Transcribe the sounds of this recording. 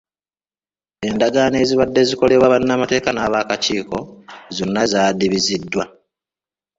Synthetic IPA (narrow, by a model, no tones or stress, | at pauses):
e̞ndaɡaːne̞ːziβadːe̞ziko̞le̞βwaβanːamate̞ːkanaβaːkaciːko̞zo̞nːazaːdiβizidːwa